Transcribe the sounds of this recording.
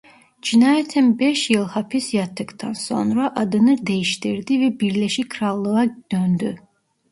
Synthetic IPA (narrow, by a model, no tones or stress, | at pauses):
d͡ʒinɑːjæt̪ʰinbeʃjɯlˠhɑpʰisjɑt̪ʰːɯkt̪ʰɑnso̞nɾɑʔɑd̪ɯnɯd̪ejiʃt̪iɾd̪ivɛbiɾleʃikʰɾɑlˠːɯɣɑd̪̥ønd̪y